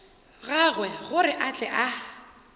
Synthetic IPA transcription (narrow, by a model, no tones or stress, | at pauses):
ɣaɣwɛɣʊrɪʔat͡ɬʼɛʔa